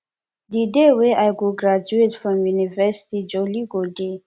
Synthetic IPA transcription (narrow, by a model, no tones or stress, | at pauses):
d̪ideweʔajɡoɡɹad͡ʒuetfɹɔ̃mjunivɛsi̥tid͡ʒɔliɡode